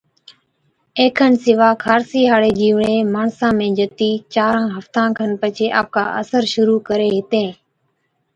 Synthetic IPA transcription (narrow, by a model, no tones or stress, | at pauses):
eːkʰənsɪʋaːkʰaːɾsiːɦaːɽeːd͡ʒiːʋɳeːmaːɳsãːmẽːd͡ʒət̪iːt͡ʃaːɾãːɦəft̪ãːkʰənpət͡ʃʰeːʔa̰ːp̚ka̰ːʔə̰səɾʃʊɾuːkəɾeːɦɪt̪ẽː